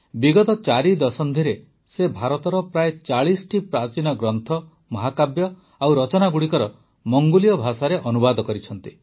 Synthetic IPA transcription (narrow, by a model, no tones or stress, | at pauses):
biɡɔt̪ɔt͡ʃaɾid̪ɔsɔnd̪ʱiɾe | sebʱaɾɔt̪ɔɾɔpɾaet͡ʃaɭisɔʈipɾat͡ʃinɔɡɾɔnt̪ʰɔ | mɔɦakabjɔ | awɾɔt͡ʃɔnaɡuɽikɔɾɔ | mɔŋɡulijɔbʱasaɾeʔɔnubad̪ɔkɔɾit͡ʃʰɔnt̪i